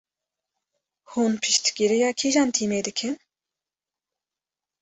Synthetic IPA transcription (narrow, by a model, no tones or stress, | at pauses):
hunpʰɨʃt̪ɡʲiɾijɑːkʰiʒɑːnt̪ʰiːmeːd̪ɨkʰɨn